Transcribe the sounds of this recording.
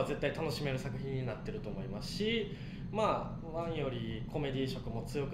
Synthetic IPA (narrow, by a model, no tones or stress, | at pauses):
aze̞t̪ːait̪ano̞ɕime̞ɾɯ̟sakɯ̟çĩɲ̟ːinat̪ːe̞ɾɯ̟t̪o̞ːmo̞imasɨ̥ɕi | maː | nãɰ̃jo̞ɾʲikʰo̞me̞d̪ʲiːɕo̞kɯ̟mo̞t͡sɨjo̞k